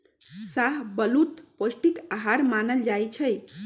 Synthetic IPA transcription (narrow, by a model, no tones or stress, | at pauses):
saɦbəlut̪posʈikaɦaɾmanəld͡ʒajt͡ʃʰəj